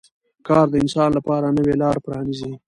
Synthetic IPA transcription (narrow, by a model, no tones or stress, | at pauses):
kɑːɾd̪əɪnsɑnlapɑɾanəwelɑɾpɾɑnizi